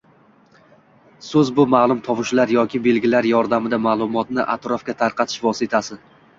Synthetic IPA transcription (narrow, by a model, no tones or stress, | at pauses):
sɵzbʊmalˠʊmt̪ʰɒpɪʃlaɾjɒkʲɪbe̞lɡʲɪlaɾjɒɾd̪amɪd̪amaːlˠʊmɒt̪nɪʔa̰t̪ɾɒfɡʲat̪ʰaɾqʰɑt̪ʰɪ̥ʃvɒsɪt̪ʰasɪ